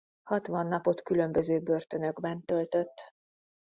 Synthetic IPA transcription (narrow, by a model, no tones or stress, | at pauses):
hɒt̪ʋɒnːɒpo̞t̪kylø̞mbøzøːbø̞rt̪ø̞nø̞ɡbɛnt̪ø̞lt̪ø̞t̪ː